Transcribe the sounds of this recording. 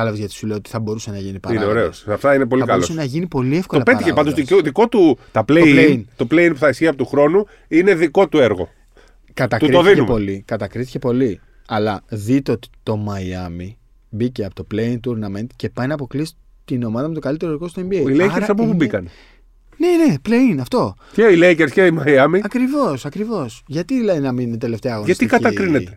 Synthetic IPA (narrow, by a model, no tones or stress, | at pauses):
ɐlɐvezʝɐt̪i̥sule̞jot̪i̥θɐbo̞ɾusenɐʝinipɐineoɾeosɐft̪ɐinepo̞likɐlosɐnɐʝinipo̞lie̞fko̞olɐpet̪içeɐnd̪osisoðiko̞t̪ut̪ɐpleeint̪o̞pleinpuθɐisçiɐpot̪uxɾo̞nu | ine̞ðiko̞t̪ueɾɣo̞̰ | kɐt̪ɐt̪uɾioðineumpo̞likɐt̪ɐkɾiθi̥cepo̞li | ɐlɐðit̪eo̞t̪i̥t̪o̞mɐiɐmi | biceɐpot̪opleint̪uɾnɐment̪ce̞pɐjnɐːpoklisi̥ | t̪ino̞mɐðɐme̞t̪o̞kɐlit̪e̞ɾoeɾɣo̞st̪oembieilejeɾsɐpopubikɐne | ne̞ne̞pleinɐft̪o̞ceileiceɾsceimɐiɐmiɐkɾivo̞sɐkɾivo̞sʝɐt̪iðilɐðinɐmininet̪e̞le̞ft̪e̞ɐɣonʝɐst̪ikɐt̪ɐkɾinee